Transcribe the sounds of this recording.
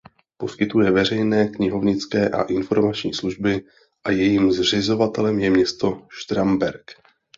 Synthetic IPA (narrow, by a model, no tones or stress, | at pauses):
po̞skɪt̪ujɛvɛrɛjnɛːkɲɪɦo̞vɲɪt͡skɛːʔa̰ʔɪnfo̞ɾmat͡ʃɲiːsluʒbɪ | ʔajɛjiːmzr̝ɪzo̞vat̪ɛlɛmjɛmɲɛst̪o̞ʃt̪ɾambɛɾk